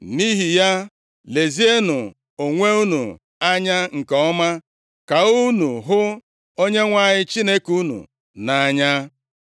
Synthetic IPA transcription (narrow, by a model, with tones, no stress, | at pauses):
m̩˨mi˦ɦi˨ja˦ | le˨zi˦e˦nʊ˨ | o˨ŋʷe˦u˦nṵ˨ | a˦ɲa˦ŋ̩˨kɔ˦ma˦ | ka˨u˦nu˨ɦʊ˦ | o˦ɲe˦ŋʷa˦˨ɲɪ˦t͡ʃi˦ne˦ku˦nṵ˨ | na˨˦ɲa˦